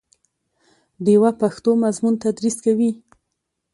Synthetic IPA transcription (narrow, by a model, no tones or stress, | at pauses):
d̪ewapaxt̪omazmunt̪ad̪ɾiskawi